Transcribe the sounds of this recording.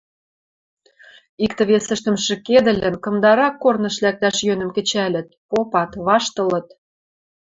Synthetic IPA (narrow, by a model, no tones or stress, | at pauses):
ikt̪ə̆βesə̆ʃt̪ə̆mʃĕked̪ə̆lɘ̆nkɤ̆md̪ɑɾɑkːornɤ̆ʃlæk̚t̪æʃjønə̆mkɘ̆t͡ɕælʲɘ̆t̪̚popɑt̪βɑʃt̪ɤ̆lɤ̆t̪